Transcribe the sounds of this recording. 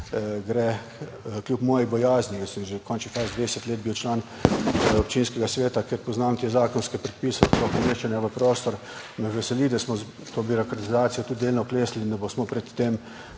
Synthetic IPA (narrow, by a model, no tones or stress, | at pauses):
ɡɾɛ | klʲjupmɔːjibɔjaːznikəsəmʒekʰɔnt͡ʃnifaːzd̪ʋesɛt̪leːd̪̚biwt͡ʃlaːn | ɔp̚t͡ʃinskɛɡasʋeːt̪akeɾpɔznaːmt̪eːzaːkɔnskɛpɾɛt̪̚pisɛt̪ut̪okomeːʃt͡ʃɛnjaʋəpɾoːst̪ɔɾ | mɛʋɛsɛlid̪asmɔ | t̪oːbiɾokɾet̪izaːt̪sijɔt̪ut̪d̪eːlnɔkleːslind̪abosmɔpɾɛt̪ːem